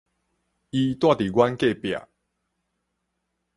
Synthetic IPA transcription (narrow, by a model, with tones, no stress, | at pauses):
i˧t̪wa˦˥˨t̪i˨ɡwa˦nke˥˨pja̰˨